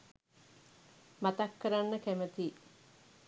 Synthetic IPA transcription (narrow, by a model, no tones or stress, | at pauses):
mat̪akːəɾanːəkæmət̪i